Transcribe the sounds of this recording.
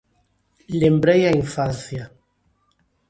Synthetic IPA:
lembɾejaiɱfanθja

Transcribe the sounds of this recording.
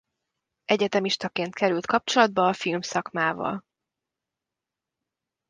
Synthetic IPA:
ʔɛɟɛt̪ɛmiʃt̪ɒkeːnt̪kɛɾylt̪kɒp̚t͡ʃo̞lɒd̪̚bɒːfilmsɒkmaːvɒ̰l

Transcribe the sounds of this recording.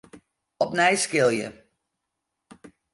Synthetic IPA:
ɔp̚nɛjskɪlˠjə̰

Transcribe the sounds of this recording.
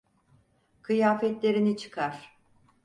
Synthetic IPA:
kʰɯjaːfɛt̪lʲe̞ɾinit͡ʃʰɯ̥kʰaɾ̥

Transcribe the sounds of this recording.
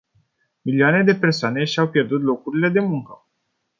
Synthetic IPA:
milioane̞d̪e̞pe̞rsoane̞ʃiawpje̞rd̪ut̪̬lo̞kuɾile̞d̪e̞muŋkə

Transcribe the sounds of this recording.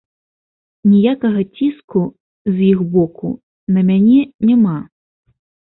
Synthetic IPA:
nʲijakɐɣɐt͡sʲisku | zjixbɔkṵ | nɐmʲanʲɛnʲɛma

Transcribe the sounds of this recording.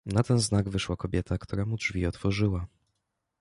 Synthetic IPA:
nat̪ɛnznaɡvɘʂwakɔbʲjɛt̪akt̪uɾɛmudʐvʲiɔt̪fɔʐɘwa

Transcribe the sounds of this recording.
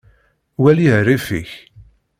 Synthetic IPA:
wælihrifḭç

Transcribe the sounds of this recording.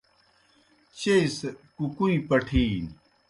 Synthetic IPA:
t͡ɕejskukuĩpɐʈʰiːn

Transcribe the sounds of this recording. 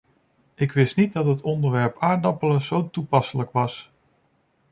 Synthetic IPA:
ɪkʋɪstnit̚dɑtɦətɔndəɹʋɛɹpaːɹdɑpələz̥owtupɑsələkʋɑs

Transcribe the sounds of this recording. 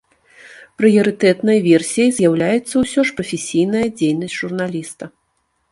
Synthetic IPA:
pɾɨjɐɾɨt̪ɛt̪nɐjvʲɛrsʲijɐjzʲjawlʲajɛt̪sːɐwsʲɔʂpɾɐfʲesʲijn̪ɐjɐd͡zʲejnɐsʲʐurnalʲist̪ɐ

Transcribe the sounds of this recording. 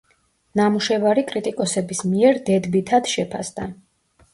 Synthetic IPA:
namuʃɛvaɾikʼɾit̪ʼikʼɔsɛbismiɛɾd̪ɛd̪bit̪ʰad̪ʃɛpʰasd̪a

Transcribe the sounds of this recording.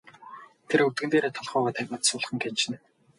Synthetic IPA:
t̪ʰeɾɵw̚t̪ɡɘ̆nt̪eːɾeːt̪ʰɔɮχœːʁɔːt̪ʰæmə̆t̪sʊːɮχə̆ŋkent͡ɕɪ̆n

